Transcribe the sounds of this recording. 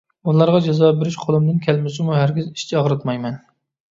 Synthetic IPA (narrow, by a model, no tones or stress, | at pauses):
ulˠɑɾʁɑd͡ʒɛzɑːbeɾɪʃqʰolˠɨmd̪ɪnkʲʰɛlmɪsɪmuɦæɾɡʲiziʃt͡ʃʰɛɑʁɾɨt̪mɑjmɛn